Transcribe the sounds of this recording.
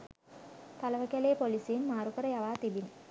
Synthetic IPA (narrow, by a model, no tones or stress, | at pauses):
t̪aləʋəkæleːpolisinmaːɾukəɾəjaʋaːt̪ibini